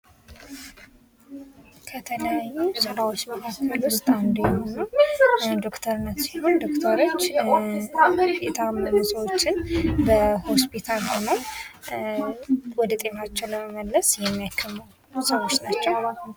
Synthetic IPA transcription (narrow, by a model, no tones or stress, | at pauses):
kʰət̪ʰələjajːusɨɾawo̞t͡ʃːməkʰakʰːəlwʊst̪ʼand̪jɛhonəwd̪o̞kt̪ʰəɾnət̪siho̞nd̪o̞kt̪ʰəɾo̞t͡ʃː | jɛt̪ʰəamːəɾosəwo̞t͡ʃːɪnbəho̞spʰit̪ʰalho̞nəw | wɔd̪ət̪ʼe̞mat͡ʃːɛwləməməlːəsjɛmːijakʰːəmːəw | səwot͡ʃnat͡ʃːɛww